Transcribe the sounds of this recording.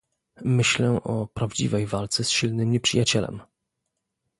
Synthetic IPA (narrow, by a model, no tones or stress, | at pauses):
mɘɕlɛʔɔpɾavd͡ʑḭvɛjvalt̪sɛsɕilnɘmɲɛpʂɨjat͡ɕɛlɛ̰m